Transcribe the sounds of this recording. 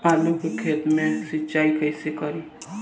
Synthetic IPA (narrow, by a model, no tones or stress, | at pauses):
aːlukekʰeːt̪mẽsɪtːʃaːikəɪsekəɾi